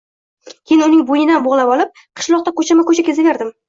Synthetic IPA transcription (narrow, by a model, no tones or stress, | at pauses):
kʲʰejɪnɪʊnɪŋbojɪnanboʁlˠapɒlˠɪp̚ | qʰɨ̥ʃlˠɒq̚t̪akʰot͡ʃʰamɪkʰɵt͡ʃʰakʲʰezɪveɾd̪ɪm